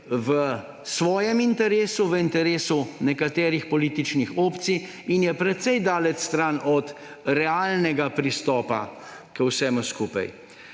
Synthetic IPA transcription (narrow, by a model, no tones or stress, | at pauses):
ʋə | sʋɔːjɛmint̪ɛɾeːsuʋəint̪ɛɾeːsunɛkat̪ɛːɾixpɔliːt̪it͡ʃnixoːpt̪sij | injɛpɾɛt̪sɛjd̪aːlɛt͡ʃst̪ɾaːnʔɔt̪ | ɾɛaːlnɛɡapɾist̪ɔːpa̰ | kəwsɛːmuskuːpa̰j